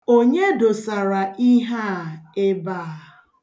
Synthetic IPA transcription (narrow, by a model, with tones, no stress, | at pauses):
o˦ɲe˦do˨sa˨ɾa˨ʔi˦ɦa˦˨e˦ba˦˨